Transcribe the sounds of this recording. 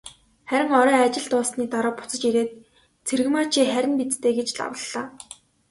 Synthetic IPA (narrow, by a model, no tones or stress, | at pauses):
χæɾʲɪ̆ŋɔɾœːat͡ɕɪ̆ɮt̪ʊːsniːt̪ɔɾɔːpʊ̥t͡sə̆t͡ɕiɾeːt̪̚ | t͡sʰerɣɘ̆maːt͡ɕʰiːχæɾʲɪ̆npit͡st̪eːɡet͡ɕɮa̰wə̆ɮaː